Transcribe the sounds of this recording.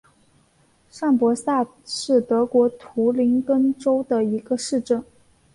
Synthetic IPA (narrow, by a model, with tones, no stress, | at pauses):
ʂɑ˥˩ŋpwɔ˧˥ɕja˥˧ʂɻ̩˥˩t̪ɤ˧˥kwɔ˧˥t̪ʰu˧˥li˧˥ŋkə˥ŋʈ͡ʂo˥ʊd̪ə˨i˧˥ɡə˧ʂɻ̩˥˧ʈ͡ʂə˥˩n